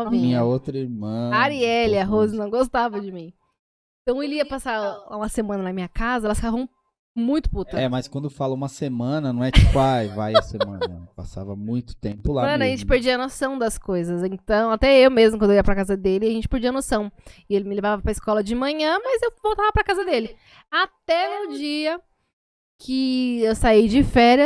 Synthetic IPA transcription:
ĩĩɲɐowt̪ɾɐiɾmɐ̃aɾiɛlɪaɦozɪnɐ̃w̃ɡost̪avɐd͡ʒɪmĩ | ẽt̪ɐ̃w̃eliɐpasaɾũmɐsemɐ̃nɐnɐmĩɲɐkazɐɛlɐsfi̥kavɐ̃w̃ | mũj̃t̪ʊ̥put̪ɐɛmɐskwɐ̃nd̪ʊfalɐũmɐsemɐ̃nɐnɐ̃w̃ɛt͡ʃt͡ʃipajvajɐsemɐ̰̃nɐpa̰sa̰vɐmũj̃t̪ʊ̥t̪ḛ̃mpʊlãɐʒẽt͡ʃɪpeɾd͡ʒiɐnosɐ̃w̃d̪ɐskojzɐsẽt̪ɐ̃w̃at̪ɛewmezmʊkwɐ̃d̪oijɐpɾɐkazɐd̪elɪaʒẽnt͡ʃɪ̥peɾd͡ʒiɐnosɐ̃w̃ɪelɪmɪlevavɐpɾɐiskɔlɐd͡ʒɪmɐ̃ɲɐ̃mɐzewvowt̪avɐpɾɐkazɐd̪elɪ | at̪ɛʊd͡ʒiɐ | kʰɪewsaid͡ʒɪfɛɾjɐ

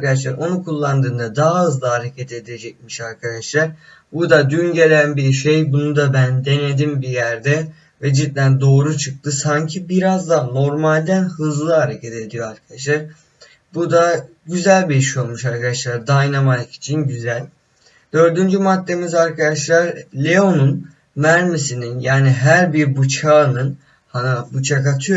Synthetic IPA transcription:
kad̪aʃ̬lˠaɾo̞nukʰulˠːand̪ɯːnd̪ad̪aɦaɯzlˠahaɾecʰat̪e̞d̪e̞d͡ʒɛc̚miʃaɾkʰad̪aʃlˠaɾ | bud̪ad̪ynɟe̞lʲænbiɾʃejbunud̪abænd̪e̞ne̞d̪imbijæɾd̪ɛ | vɛd͡ʒit̪lʲænd̪o̞ːɾut͡ʃʰɯk̚t̪ʰɯsaɲcʰibiɾazd̪ano̞ɾmalʲd̪ænhɯzlˠɯɦaɾe̞cʰat̪e̞d̪ijo̞aɾkʰad̪aʃlˠaɾ | bud̪a | ɟyzælʲbiiʃio̞lˠmuʃaɾkʰad̪aʃlˠaɾd̪ajnamalʲci̥t͡ʃʰinɟyzælʲ | d̪̥ø̞ɾd̪ynd͡ʒymat̪ːe̞mizaɾkʰad̪aʃlˠaɾlʲeo̞nun | mæɾmisininjaːniɦæɾbiɾbut͡ʃʰaːnɯn | hanabut͡ʃʰakat̪ʰɯjo

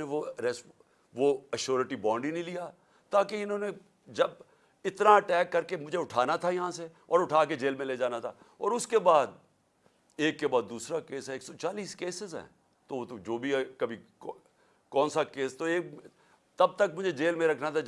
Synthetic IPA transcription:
ẽʋoɾɛs | ʋoɐʃoːɾeʈibɔ̃ːɳɖinĩlija | t̪aːkeɪnõːne | d͡ʒɐb | ɪt̪naɐʈɛːkːɐɾkemʊd͡ʒʱeʊʈʰaːnat̪ʰajɐɦãse | ɔːɾʊʈʰaːked͡ʒeːlmẽleːd͡ʒaːnat̪ʰa̰ːɔ̰ːɾʊskebaːd̪̚ | eːkːebaːd̪ːuːsɾakeːsɦɛeːksɔt͡ʃaːliːskeːsɪzɦɛ̰ː | t̪ot̪od͡ʒoːbʱikɐbʱi | kɔːnsakeːst̪oeːk | t̪ɐb̚t̪ɐk̚mʊd͡ʒʱed͡ʒeːlmẽɾɐkʰnat̪ʰa

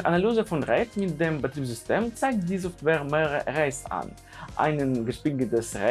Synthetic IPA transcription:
ʁʔanalyːzəfʊnʁɛtmɪt̚deːmbətʁ̥iːpz̥ʏstʰeːmt͡saɪk̚td̥iːzɔftv̥ɛːʁmeːəʁəʁaɪsa̰n | ʔa̰ɪnənɡəʃpɪŋɡətəsʁɛ

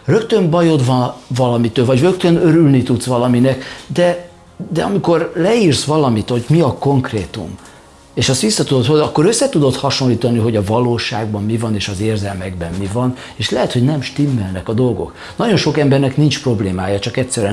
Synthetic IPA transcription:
rø̞kt̪ø̞ɱbɒjo̞d̪vɒnvɒlɒmit̪ːølvɒɟrø̞kt̪ønø̞ɾylnit̪ut̪sʋɒlɒminɛkd̪ɛ | d̪ɛɒmiko̞rlɛiːrsʋɒlɒmit̪ho̞ɟmiɒko̞ŋkreːt̪ṵm | eːʃɒst̪ʋisːɒt̪ud̪o̞t̪holɒkːo̞ɾøsːɛt̪ud̪o̞t̪hɒʃo̞nliːt̪ɒniɦo̞ɟɒvɒloːʃaːɡ̚bɒmːivɒneːʃɒzeːrzɛlmɛɡbɛmːivɒn | eːʃlɛɦɛt̪hoɟnɛmʃt̪imːɛlnɛkɒd̪o̞lɡo̞̰k | nɒɟo̞nʃo̞kɛmbɛrnɛknint͡ʃpro̞bleːmaːjɒt͡ʃɒkɛt̪sɛɾɛ

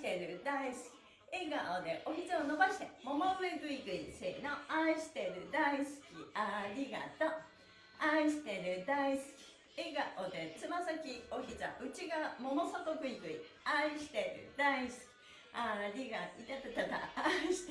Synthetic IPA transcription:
t̪eɾɯ̟d̪aisɨ̥kʲi̥ | eɡaod̪e̞ʔoçit͡saono̞baɕi̥t̪e̞mo̞moɡɯiɡɯ̟ikɯ̟iseno̞aiɕi̥t̪e̞ɾɯ̟d̪aisɨ̥kʲiaɾʲiɡa̰t̪o | aiɕi̥t̪e̞ɾɯ̟d̪aisɨ̥kʲi̥ | eɡaʔod̪e̞t͡sɨmasakʲio̞çit͡sa̰ɯt͡ɕiɡamo̞mo̞sot̪oɡɯ̟ikɯ̟iaiɕi̥t̪e̞ɾɯ̰d̪aisɨ̥kʲi̥ | aɾʲiɡait̪at̪et̪at̪a̰aiɕi̥t̪

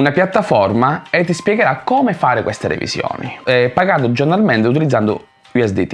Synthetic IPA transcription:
unapjat̪ːafɔrmaɛt̪ːispjɛɡeɾakːɔːmefaːɾɪkwɛst̪eɾḛvḭsjɔ̰ːnḭpːaɡand̪ʊd͡ʒornalmɛnt̪ɪut̪̬ilid̪zːand̪ʊ̰ | iɛsd̪it̪i

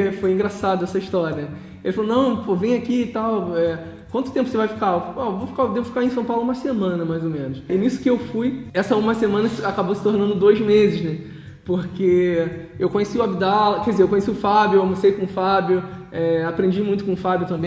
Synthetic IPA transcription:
fojĩŋɡɾasad̪ʊɛsɐiʃt̪ɔɾiɐ | ḛlɪfalonɐ̃w̃povẽj̃akit̪awɛ | kwɐ̃nt̪ʊ̥t̪ẽp̬ʊsevajfi̥kaovofi̥kad̪evʊfi̥kaɾẽs̬ɐ̃pawlʊuũmɐsemɐ̃nɐmajzomẽnʊʃɪnisʊ̥kɪewfujɛsɐũmɐsemɐ̃nɐakabowsɪ̥t̪oɾnɐ̃nd̪ʊd̪ojzmezɪznɛ | poɾkeewkõɲesiʊabid̪alɐkɛd͡ʒɪzeɾewkõɲesiʊfabjʊewamosejkõʊfabjʊɛapɾẽd͡ʒimũj̃t̪ʊ̥kõʊfabjʊt̪ɐ̃mbẽj

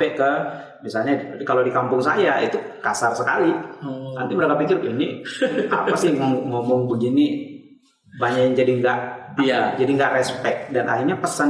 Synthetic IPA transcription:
ɛkə | misalɲakalodikampʊŋsajait̪ukasarsəkalina̰nt̪iməɾakapikɪɾiniʔa̰pasɪhmɔŋmɔmʊŋbəɡini | baɲajaŋd͡ʒadiŋɡaʔad͡ʒadiŋɡaʔrɛspɛk̚danʔa̰ɦirɲapəsan

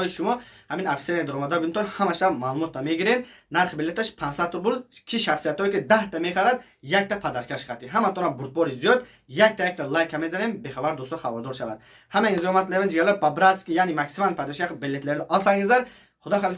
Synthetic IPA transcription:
ɔjiʃumɔhaminabsened̪aɾɔmad̪aɡint̪ʰɔnhamaʃamalumɔt̪̚d̪ameɡiɾennaɾχibilet̪aʃpʰansat̪uɾbuɾd̪kʲʰiʃaχsijat̪ʰɔjkid̪aht̪ʰameχaɾad̪ | jak̚t̪apʰad̪aɾkʰaʃχat̪iɦamat̪ʰɔɾabuɾt̪̚bɔɾizijɔd̪ | jak̚t̪ʰajak̚t̪ʰalajkʰamezanembeχabaɾd̪ust̪ɔχabaɾd̪ɔɾʃavad̪ | hamainzihɔmat̪lemind͡ʒiɡalababɾaskijanimaksimanpʰad̪aʃkakbelet̪leɾd̪aʔɔlsaŋɡizaɾ | χud̪ɔχaɾs

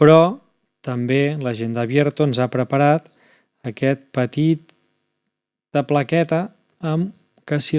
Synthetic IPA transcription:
pɾɔ | t̪əmbeləʒend̪əβjeɾt̪oənzapɾəpəɾat̪ | əkɛt̪̚pət̪it̪ | əpləkɛt̪əː | m | kəsi

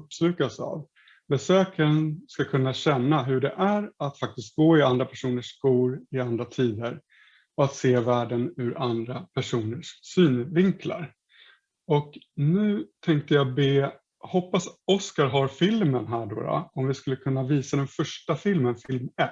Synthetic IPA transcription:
ɵpslʉ̟ːkasa̰v | bɛsøːkaɾənskakʰɵnːaɕɛnːaɦɵɖɛʔæɾat̪fak̚t̪ɪst̪̚ɡoːɪand̪ɾapʰæʂuːnəʂkuːɾɪand̪ɾat̪ʰiːd̪əɾ | ɔat̪seːvæːɖənʉ̟ɾand̪ɾapʰæʂuːnəʂsyːnvɪŋkʰla̰ɾ | ɔknʉ̟ːt̪ʰɛŋk̚t̪əjabeː | hɔpːasɔskaɾɦaɾfɪlmənɦæːɖo̰ːɾa̰ɔmvɪskɵlːəkʰɵnːaviːsad̪ɛnfœʂʈafɪlmənfɪlmɛt

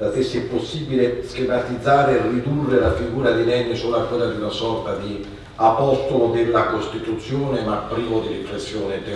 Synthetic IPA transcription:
last̪esːiposːibileskimat̪id̪zːaːɾerːid̪urːelafiɡuːɾad̪ilɛnːisoːlakːwelːad̪iunasɔrt̪ad̪i | apɔst̪olod̪ɪlːakost̪it̪ut̪sːjoːnemapːɾiːvod̪irifɾesːjoːnet̪e

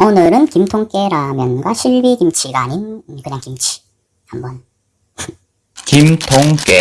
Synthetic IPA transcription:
onɯɾɯnkimtʰoŋk͈e̞ɾamjʌnɡwaɕʰiɭbikimt͡ɕʰiɡaɲinkɯɲaŋkimt͡ɕʰi̥ | hambʌn | kimtʰoŋk͈e

